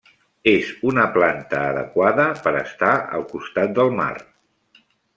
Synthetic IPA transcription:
ezunəplant̪əːðə̰kwaðəpəɾə̰st̪aə̰lˠkust̪at̪̚d̪əlˠma̰r

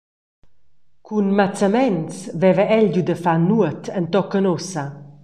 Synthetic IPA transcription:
kʰunmat͡səmɛnsvɛvɛʔɛʎɟud̪əfanːuət̪ʰənt̪ɔkːənosa

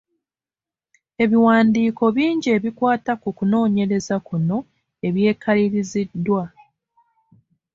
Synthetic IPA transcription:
e̞βiwaːndiːko̞βiːɲɟie̞ːβikwaːtakukuno̞ːɲe̞ɾe̞zakuno̞ | e̞βje̞ːkʰaliɾizidːwa

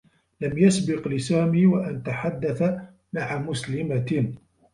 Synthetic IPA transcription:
lamjasbɪqlɪsaːmiːwaʔant̪aħad̪ːaθa | maʕamʊslɪma

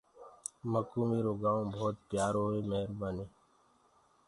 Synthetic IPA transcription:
məkuːmiːɾoːɡaːõbʱoːt̪̚pjaːɾɦoemeɦɾbaneː

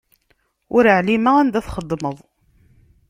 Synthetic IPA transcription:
ʊɾəʕlimaænd̪æθχəd̪ˤːməðˤ

